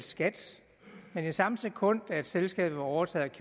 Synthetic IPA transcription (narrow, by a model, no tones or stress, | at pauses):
sɡ̥æd̥ | menisɑ̈məsekʰɔ̽n̰d̥æe̝d̥selsɡ̥ɛ̰ːb̥̩ˠʋɑ̈ɒʊɐt͡sʰɛ̰ð̩ˠækʰ